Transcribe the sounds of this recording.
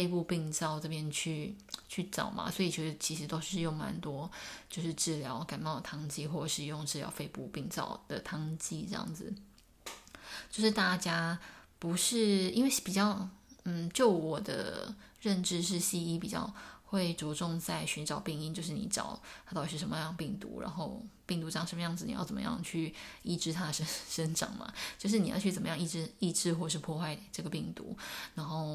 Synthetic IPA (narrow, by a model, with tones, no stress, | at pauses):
fe˥˧ɪpu˥˧pi˥˧ŋt͡sɑ˥˧ʊʈ͡ʂɤ˥˧˩pjɛ˥nt͡ɕʰy˥˧t͡ɕʰy˥˩ʈ͡ʂɑ̰˨˩ʊmɐ̰˨swɔ˧˥i˨˩t͡ɕʰɥɛ˥˧˥dt͡ɕʰi˧˥ʂɻ̩˧˥t̪o˥ʊʂɻ̩˥˧jʊ˥˩ŋma̰˧˥nt̪wɔ˥t͡ɕjo˥˧ʊʂɻ̩˥˧ʈ͡ʂɻ̩˥˩ljɑ˧˥ʊka˨˩ɪmɑ˥˩ʊd̪ə˨˩t̪ʰɑ˥ŋt͡ɕi˥˧xwɔ˥˩ʂɻ̩˥˧jʊ˥˧ŋʈ͡ʂɻ̩˥˩jɑ̰˧˥ʊfe˥˧ɪpu˥˧pi˥˧ŋt͡sɑ̰˥˩ʊd̪̥ə̰˨t̪ʰɑ˥ŋt͡ɕi˥ʈ͡ʂɤ˥˧jɑ̰˥˩ŋd͡zɹ̩˩ | t͡ɕjo˥˧ʊʂɻ̩˥˩t̪a˥˩t͡ɕja˥pu˧˥ʂɻ̩˥˩i˥nwe˥˩ɪpi˨˩t͡ɕjɑ˥˩ʊn̩˥˨˩t͡ɕjo˥˩ʊwɔ˨˩d̪ə̰˦ɻə˥˧nʈ͡ʂɻ̩˥˧ʂ̬ɻ̩˥˧ɕi˥˧i˥pi˨˩t͡ɕjɑ̰˥˧ʊxwe˥˩ɪt͡swɔ˧˥ʈ͡ʂʊ˥˧ŋt͡sa˥˩ɪɕy˧˥nʈ͡ʂɑ˨˩ʊpi˥˧ŋi˥nt͡ɕjo˥˧ʊʂ̬ɻ̩˥˩nḭ˧˩ʈ͡ʂɑ̰˨˩ʊt̪ʰa˥t̪ɑ˨˩ɻ̩i˧˥ʂə˧˦mə˧jɑ˥˧˩ŋpi˥˩ŋt̪ṵ˧˥ɻa̰˧˥nxo˥˧ʊpi˥˩ŋt̪u˧˥˧ŋʂə˧˥mə˧jɑ˥˩ŋd͡zɹ̩˨˩nḭ˨j̰ʊt͡sə˨˩mə̰˧jɑ̰˥˧ŋt͡ɕʰy˥˩i˥˩ʈ͡ʂɻ̩˥t̪ʰa˥də˨ʂə˥ʂə˥nʈ͡ʂɑ̰˨˩˦ŋmɐ̰˨˦t͡ɕjo˥˧ʊʂ̬ɻ̩˥˩ni˨˩jɑ̰˥˧ʊt͡ɕʰy˥˩t͡sə˨˩mə˦jɑ˥˧ŋi˥˩ʈ͡ʂɻ̩˥i˥˧ʈ͡ʂɻ̩˥˧xwɔ˥˩˨ʂ̬ɻ̩˥˧˩pʰwɔ˥˧xwa˥˧ɪʈ͡ʂɤ˥˩ɡə˩pi˥˩ŋt̪ṵ˧˥ɻa˧˥nxo˥˩ʊ